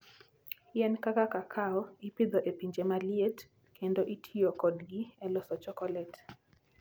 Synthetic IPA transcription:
jɛnkakakakʰaɔipid̪ɔʔepiɲd͡ʒemaliet | kʰendoʔitʰiɔkɔdɡiɛlɔsɔt͡ʃɔkɔlɛt

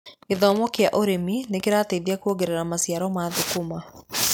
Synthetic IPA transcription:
iðɔmɔkjaʔoɾeminekiɾateðiakuoɡɛɾeɾamasjaɾɔmaðukuma

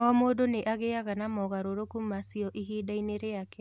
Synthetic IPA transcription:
ɔmoːdoneʔaɣeaɣanamɔɣaɾoɾokumasiɔʔiɦiːdaineɾeakɛ

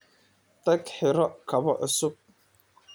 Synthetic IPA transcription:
d̪̥ɐɡħɪɾɔkʰɐβɔʕʔʊsʊb̚

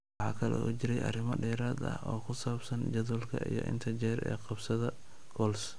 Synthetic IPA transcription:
wɑħɑ̰ːkʰɐlɛ̰uːt͡ʃɪɾɛjʔɐ̰rɪmɐɖɛːɾaːd̪ɐ̰hʔɔːkʰʊsaːbsɐnd͡ʒɐðʊlkʰɐ̰ʔḭjɔ̰ʔɪ̰nt̪ʰɐt͡ʃɛːɾɛ̰ːqɑbsɐðɐ | kʰɔːls

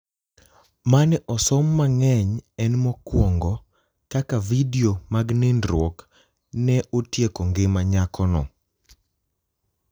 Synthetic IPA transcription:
manʔɔsɔmːaŋɛɲɛnmɔkwɔŋɡɔ | kakavidiomaɡnɪndɾwɔk | nɛʔotjekɔŋɡɪmaɲakɔnɔ̰

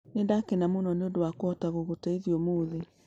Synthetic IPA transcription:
nendakenamonɔneodowakwɔtaɣoɣotaiðiomoðe

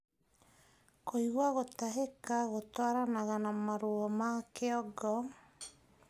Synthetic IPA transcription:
koiɣwaɣotaɦekaɣotwaɾanaɣanamaɾuɔmakeɔɡɔ

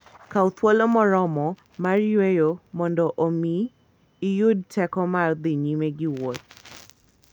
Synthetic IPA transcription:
kaut̪wolomɔɾɔmɔ | marjwejomɔndɔʔomiː | jʊd̚tʰɛkɔmard̪ɪɲimeɡɪwot̪̚

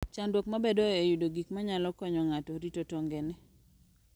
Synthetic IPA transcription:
t͡ʃandwokmabedɔejudoɡikmaɲalɔkɔɲɔŋatɔɾitotɔŋɡenɛ

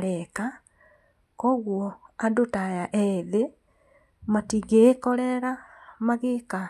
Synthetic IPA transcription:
leka | koɣwoadutajaʔeðe | matiɡekoleɾamaɣika

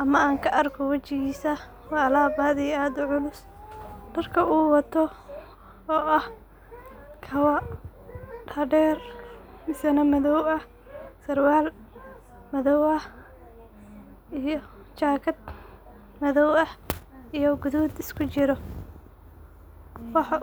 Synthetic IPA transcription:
ʔɐmɐaːŋkʰɐʔɐrkʰɔwɐt͡ʃɪɣiːsɐ | wɑːlaːbaːd̪iaːd̪ʊʕʊlʊs | ɖ̥ɐrkʰɐuːwɐt̪ʰɔ | ɔːʔɐh | kʰɐwɐ | ɖɐːɖɛːrmɪsɛnɐmɐðɔwɐh | sɐrwaːl | mɐðɔwɐh | ijɔ | t͡ʃaːkʰɐd̪̚ | mɐðɔwɐhijɔɡʊðuːd̪ɪskʰʊt͡ʃɪɾɔ | wɑħɑ

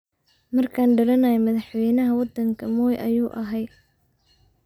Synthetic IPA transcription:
mɐrkʰaːnɖɐlɐnɐjɛmɐðɐħwɛjnɐɦɐwɑd̪ɐŋkʰɐmɔːjʔɐ̰juːʔɐɦɛjd̪̚

